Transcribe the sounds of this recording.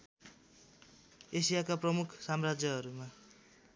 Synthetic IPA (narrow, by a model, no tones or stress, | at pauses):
esijakaprʌmukʰsamrad͡zjʌɦʌɾuma